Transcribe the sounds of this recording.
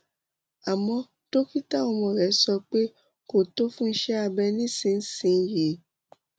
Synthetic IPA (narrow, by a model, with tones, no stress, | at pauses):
a˨mɔ̃˧ | to˦ki˦ta˦˨ɔ˧mɔ̃˨ɾɛ˨˦sɔ˧k͡pe˦ | ko˨to˦fũ˦n̩˦ʃɛ˦a˧bɛ˧nĩ˦sĩ˧n̩˦sĩ˧˨˧je˨